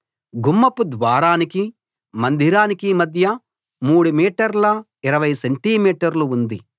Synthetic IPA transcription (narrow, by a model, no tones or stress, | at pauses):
ɡumːɐpud̪ʋaːɾaːniki | mɐnd̪ʱiɾaːnikimɐd̪ʱjɐ | muːɽumiːʈɐɾlɐ | iɾɐʋɐjseɳʈimiːʈɐɾluund̪i